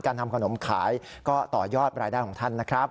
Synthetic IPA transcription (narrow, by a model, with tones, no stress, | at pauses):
kaː˧nt̪ʰa˧mkʰa˧no˩˦mkʰa̰ː˩˦jkɔː˥˩t̪ɔː˨˩jɔː˥˩t̪̚ɾaː˧jda˥˩kʰɔː˩˦ŋt̪ʰa˥˩nːa˦˥kʰɾa˦˥p̚